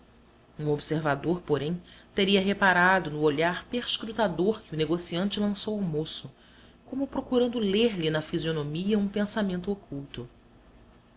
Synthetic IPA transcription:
ũobseɾvad̪oɾpoɾẽj̃t̪eɾiɐɦepaɾad̪ʊnʊoʎaɾpeɾʃkɾut̪ad̪oɾkɪʊneɡosiɐ̃nt͡ʃɪlɐ̃sowamosʊ | kõmʊpɾokuɾɐ̃nd̪ʊleɾlɪnɐfizionomiɐũpẽsamẽnt̪ʊokʰuwt̪ʊ

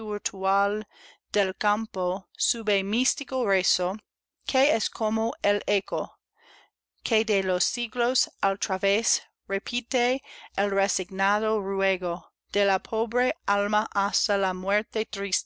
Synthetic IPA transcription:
uɾt̪ʰual | d̪̥elkamposuβemist̪ikoreso | kʰeeskʰomoeleko | kʰeðelosːiɣlosalt̪ɾaβes | repʰit̪eelresiɡnaðorweɣo | d̪̥elapʰoβɾealmaʔast̪alamweɾt̪et̪ɾist

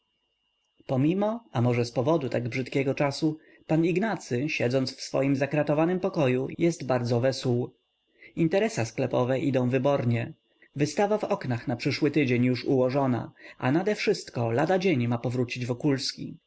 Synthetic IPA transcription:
pɔmʲimɔamɔʐɛspɔvɔd̪ut̪aɡbʐɘt̪kʲɛɡɔt͡ʂasu | paniɡnat̪sɘɕɛd̪zɔnt̪sfsfɔ̰jimzakɾat̪ɔvanɘmpɔkɔjujɛsdt̪baɾd̪zɔvɛsw | int̪ɛɾɛsasklɛpɔvɛʔid̪ɔ̃w̃vɘbɔɾɲɛ | vɘst̪avavɔknaxnapʂɘʂwɘt̪ɘd͡ʑeɲjuʂuwɔʐɔna̰ʔa̰nad̪ɛfʂɘst̪kɔlad̪ad͡ʑeɲmapɔvɾut͡ɕid͡ʑvɔkulskʲḭ

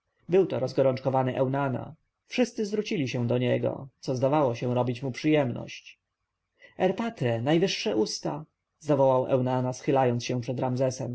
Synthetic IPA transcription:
bɘwt̪ɔɾɔzɡɔɾɔnt͡ʂkɔvanɘʔɛwnana̰ | fʂɘst̪sɘzvɾut͡ɕilʲiɕɛ̃d̪ɔɲɛɡɔ̰t̪sɔzd̪avawɔɕɛ̃ɾɔbʲit͡ɕmupʂɘjɛmnɔ̰ɕt͡ɕ | ɛɾpat̪ɾɛnajvɘʂːɛʔust̪a | zavɔwawʔɛ̰wnanasxɘlajɔnsɕɛ̃pʂɛd̪ɾamzɛsɛm

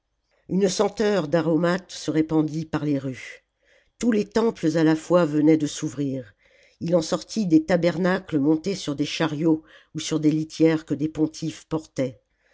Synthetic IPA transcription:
ynəsɑ̃t̪œʁd̪aʁɔmat̪səʁepɑ̃d̪ipaʁleʁy | t̪ulet̪ɑ̃pləzalafwavənɛd̪əsuvʁiːʁ | ilɑ̃sɔʁt̪ʰid̪et̪abɛʁnakləmɔ̃t̪esyʁd̪eʃaʁjo | usyʁd̪elit̪jɛʁkəd̪epɔ̃t̪ʰifpɔʁt̪ɛ

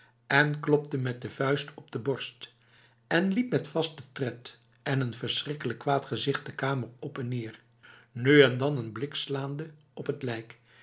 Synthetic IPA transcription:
ɛnklɔp̚təmɛt̚dəvœɥstʰɔb̚dəbɔɹst | ɛnlip̚mɛtfɑstətrɛt | ʔɛnənvəɹsrɪkələkːʋaːtχəzɪχt̚dəkaːmərɔpɛnːɪːɹ | nyɛndɑnənblɪkslaːndə | ɔpətlɛjk

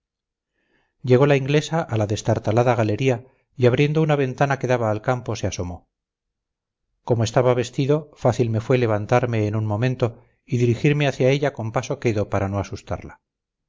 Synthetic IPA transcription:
je̞ɣ̞o̞laiŋɡle̞saʔalaðe̞st̪aɾt̪alaðaɣale̞ɾia | iaβ̞ɾje̞nd̪ounaβe̞nt̪anake̞ðaβaːlkampo̞se̞aso̞mo̞ | ko̞moest̪aβaβe̞st̪iðo̞faθilme̞fwe̞le̞β̞ant̪aɾme̞ːnunmõ̞mẽ̞nt̪o̞ | iðiɾixiɾme̞aθjae̞ʎako̞mpaso̞ke̞ðopaɾano̞asust̪a̰ɾla

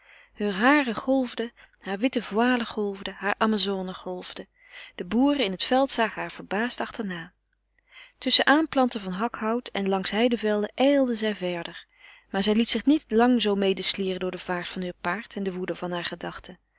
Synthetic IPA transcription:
høːɹɦaːrəχɔlˠvdə | haːɹʋɪtəvwaːləχɔlˠvdəɦaːɹʔaːmaːzoːnəχɔlˠvdə | d̥əbuːrəɪnɦətfɛlˠtsaːχəɦaːɹv̥əɹbaːstɑχtəɹnaː | tɵsəʔaːmplɑntəvɑnɦɑkhʌwtʰɛnlɑŋsɦɛjdəvɛlˠdəʔɛjlˠdəzɛjvɛɹdəɹ | maːɹzɛjlitsɪχnitlɑŋzowmejdəsliːrəndʊːɹdəv̥aːɹtfɑnɦøːɹpaːɹtʰɛndəʋudəvɑnɦaːɹχədɑχtə

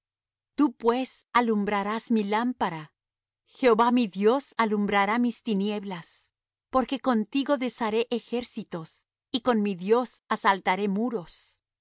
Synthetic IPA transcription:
t̪upwesalumbɾaɾazmilampaɾa | xe̞oβamiðjo̞salumbɾaɾamist̪inje̞βlas | po̞ɾke̞ko̞nt̪iɣo̞ðe̞saɾe̞ʔexe̞ɾsit̪o̞s | iko̞nmiðjo̞sasalt̪aɾe̞muɾo̞s

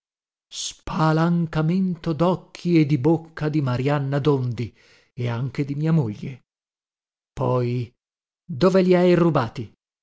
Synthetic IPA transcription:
spʰalaŋkament̪od̪ɔkʰːied̪ibokʰːad̪imaɾjanːad̪ond̪i | eaŋk̟ed̪imiːamoʎːḛ | pɔj | d̪oːveliajrubaːt̪i

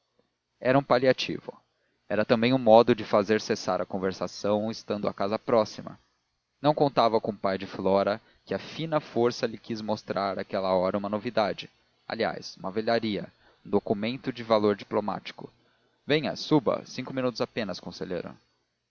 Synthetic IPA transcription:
ɛɾɐũpaliat͡ʃḭvʊ̰ | ɛɾɐt̪ɐ̃mbẽj̃ʊ̃mɔd̪ʊd͡ʒɪfazeɾsesaɾɐkõveɾsasɐ̃w̃ɪst̪ɐ̃nd̪ʊa̰kazɐpɾɔsimɐ̰ | nɐ̃w̃kõnt̪avɐkõʊpajd͡ʒɪflɔɾɐ | kɪɐfĩnɐfoɾsɐlɪkizmost̪ɾʔaɾakɛlɐɔɾɐũmɐnovid̪ad͡ʒɪ | a̰lia̰jsũmɐveʎaɾiɐ | ũd̪okumẽnt̪ʊd͡ʒɪvaloɾd͡ʒiploma̰t͡ʃi̥kʊ | vẽj̃ɐ̰subɐ̰sĩŋkʊminut̪ʊzapẽnɐskõsḛʎḛɾʊ̰

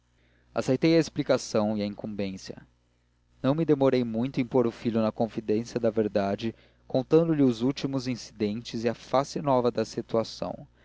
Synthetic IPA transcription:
a̰sejt̪ejɐesplikasɐ̃w̃iɐĩŋkũmbẽsjɐ̰ | nɐ̃w̃mid̪emoɾejmũj̃t̪ʊẽpoɾʊfiʎʊnɐkõfid̪ẽsjɐd̪ɐveɾd̪ad͡ʒɪ | kõnt̪ɐ̃nd̪ʊliʊzut͡ʃimʊzĩsid̪ẽnt͡ʃɪziɐfasɪnɔvɐd̪ɐsit̪uasɐ̰̃w̃

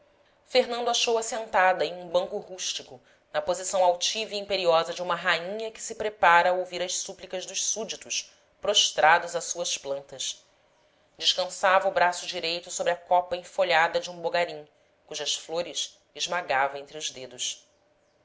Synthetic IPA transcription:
feɦnɐ̃d̪ʊaʃowɐsẽnt̪ad̪ɐẽj̃ũbɐ̃ŋkʊhuʃt͡ʃikʊ | nɐpozisɐ̃w̃awt͡ʃivɐiĩpeɾiɔzɐd͡ʒɪũmɐɦaĩɲɐkɪ̥sɪpɾepaɾɐːowviɾɐʃsuplikɐʒd̪ʊʃsud͡ʒit̪ʊʃ | pɾoʃt̪ɾad̪ʊzɐsuɐʃplɐ̃nt̪ɐʃ | d͡ʒɪʃkɐ̃savɐʊbɾasʊd͡ʒiɾejt̪ʊsobɾɪɐkɔpɐẽfoʎad̪ɐd͡ʒɪũboɡaɾĩŋ | kuʒɐʃfloɾɪʃ | ɪʒmaɡavɐẽnt̪ɾɪʊʒd̪ed̪ʊʃ

